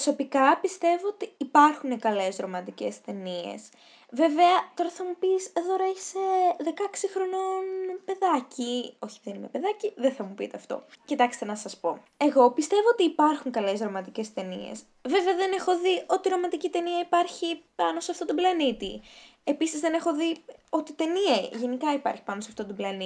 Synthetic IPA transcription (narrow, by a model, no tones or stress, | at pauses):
so̞pikɐpist̪e̞vo̞ot̪iːpɐɾxunekɐle̞zɾo̞mɐt̪ice̞st̪e̞nie̞̰s | ve̞ve̞ɐt̪o̞ɾɐθɐmupiseðoɾɐeçi̥seðe̞kɐksixɾo̞no̞npe̞ðɐcio̞çiðenimepe̞ðɐciðeθɐmupḭt̪eɐft̪o̞̰cit̪ɐkst̪e̞nɐsɐspo̞ | e̞ɣo̞pist̪e̞vo̞ot̪iːpɐɾxuŋkɐle̞sɾo̞mɐt̪ice̞st̪e̞nḭḛs | ve̞veɐðe̞ne̞xo̞ðiʔo̞t̪iɾo̞mɐt̪icit̪e̞niɐipɐɾçipɐno̞seɐft̪ot̪oblɐnit̪i | e̞pisizðe̞ne̞xo̞ðio̞t̪it̪e̞niɐʝe̞nikɐipɐ̰ɾçi̥pɐnoseɐft̪o̞t̪oblɐni